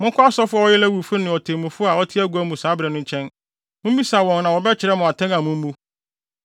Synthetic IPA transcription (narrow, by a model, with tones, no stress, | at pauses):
mʊ̃˦ŋkʰʊ˦a˦sɔ˦fʊ˦a˨wɔ˦jɪ˦lɛ˦wu˨fʊ˦nɪ̃˨ɔ˨tʰe˨mũ˨fʊ˦a˨ɔ˦tʰɪ˦æ˦ɡu˨˦æ˦mũ˨saː˨˦bɾɛ˨nʊ̃˦ɲ˦t͡ɕʰɛ̃˦n | mʊ̃˦m˦i˦sa˨wɔ̃˨nnã˨wɔ˨bɛ˦t͡ɕʰɪ˨ɾɛ˦mʊ̃˨a˨tʰɛ̃˦na˨mʊ̃˦m̩˦mũ˦